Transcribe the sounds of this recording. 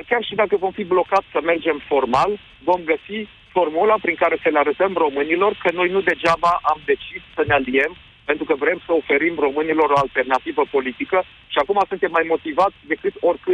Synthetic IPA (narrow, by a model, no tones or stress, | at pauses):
d̪arkʲarʃid̪akəvo̞mfiblo̞kat̪sʲsəme̞rd͡ʒe̞mfo̞rmal | vo̞mɡəsi | fo̞rmulapɾiŋkaɾe̞səleaɾət̪əmro̞mɨnilo̞rkəno̞jnud̪e̞d͡ʒabaʔamd̪e̞t͡ʃissənealie̞m | pe̞nt̪ɾukəvɾe̞msəo̞fe̞ɾimro̞mɨnilo̞ɾo̞alt̪e̞rnat̪ivəpo̞lit̪ikə | ʃiakumasunt̪e̞mːajmo̞t̪ivat̪sʲd̪e̞kɨt̪o̞rʲkɨ